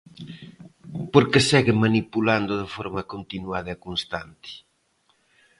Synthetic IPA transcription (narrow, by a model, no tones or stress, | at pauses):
poɾkesɛɣɪmanipuland̪ʊðɪfɔɾmɐkont̪inwaðɐekonst̪ant̪ɪ̥